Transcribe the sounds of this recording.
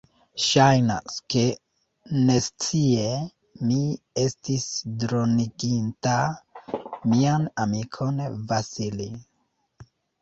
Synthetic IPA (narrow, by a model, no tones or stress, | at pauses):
ʃajna̰ske̞ | ne̞st͡sie̞ | mi | e̞stisdɾo̞niɡinta | mianamikʰo̞nvasili